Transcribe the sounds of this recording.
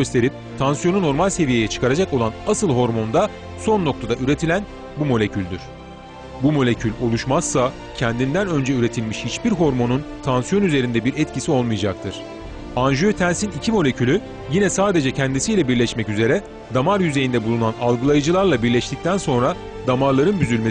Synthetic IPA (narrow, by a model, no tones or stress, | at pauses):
ø̞st̪ʰe̞ɾip̚t̪ʰansjo̞nuno̞ɾmalʲse̞vijejɛt͡ʃʰɯ̥kʰaɾad͡ʒako̞lˠanasɯlˠɦo̞ɾmo̞nd̪a | so̞nːo̞k̚t̪ʰad̪aʔyɾe̞t̪ʰilʲæn | bumo̞lʲe̞cʰylʲd̪yɾ̥ | bumo̞lʲe̞cʰylʲo̞lˠuʃmaz̥sa | cʰɛnd̪ind̪ænø̞nd͡ʒɛyɾe̞t̪ʰilʲmiʃhit͡ʃbiɾɦo̞ɾmo̞nunt̪ʰansjo̞nyze̞ɾind̪ɛbiɾɛt̪cʰisio̞lˠmɯjad͡ʒak̚t̪ʰɯɾ̥ | anʒyøt̪ʰænsinicʰimo̞lʲe̞cʰylʲy | jinɛsaːd̪e̞d͡ʒɛcʰɛnd̪isijlʲɛbiɾlʲɛʃmɛcyze̞ɾɛ | d̪amaɾjyze̞jind̪ɛbulˠunanalˠɡɯlˠajɯd͡ʒɯlˠaɾlˠabiɾlʲɛʃt̪ic̚t̪ʰænso̞nɾa | d̪amaɾlˠaɾɯnbyzylʲme